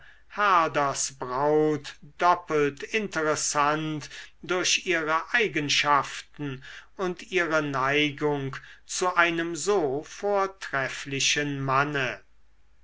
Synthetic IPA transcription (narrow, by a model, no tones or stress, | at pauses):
hæɐdɐsbʁaʊtd̥ɔpəltɪntəʁɛsantd̥ʊɐɕiːʁəʔaɪɡənʃaftn̩ʊntiːʁənaɪɡʊŋkt͡suʔaɪnəmzoːfoːɐtʁɛflɪɕənmanə